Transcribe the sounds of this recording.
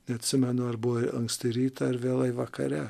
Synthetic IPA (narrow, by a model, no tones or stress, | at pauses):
nʲɛɐt̪ʲsʲɪmʲɛnʊɐɾbʊʋoɐŋksʲt̪ʲɪɾʲiːt̪ɐɐɾʋʲeːlˠɐɪʋɐkɐɾʲɛ